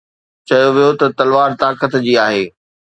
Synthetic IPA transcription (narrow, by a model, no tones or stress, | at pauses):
t͡ɕɐjoʋijot̪ɐt̪ɐlʋaːɾt̪aːkət̪d͡ʑiːaːɦeː